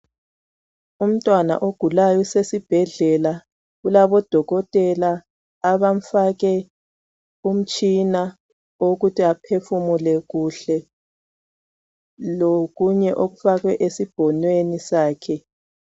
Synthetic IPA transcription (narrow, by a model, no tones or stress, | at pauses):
um̩tʼwana̰ʔoɡ̥ʱulajɔsesib̥ʱɛɮɛla | ɣulaβɔd̥ʱɔɣɔtʼɛlaː | βam̩faɣɛ | um̩t͡ʃʼina | oɣutʰiapʰefumulɛɣuɬɛ | loɣuɲɛʔoɣufaɣwɛʔesib̥ʱɔnwenisaːkʰɛ